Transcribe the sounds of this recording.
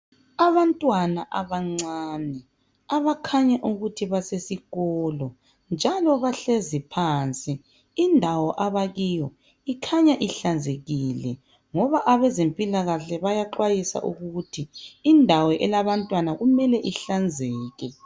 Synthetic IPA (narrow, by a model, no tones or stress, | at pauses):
aβantʼwanaʔaβaŋ͡ǀaːnɛ | aβakʰaɲaʔuɣutʰiβasesiɣɔːlɔ | nd͡ʒʱalɔβaɬezipʰaːnt͡sʼi | indʱawɔʔaβaɣijɔ | ikʰaɲaʔiɬand͡zʱeɣilɛ | ŋɔβaʔaβɛzempʼilaɣaɬɛβajaǃwajisa̰ʔuɣuutʰiːndʱawɔʔɛlaβantʼwanaɣumɛlɛʔiɬand͡zʱɛːɣɛ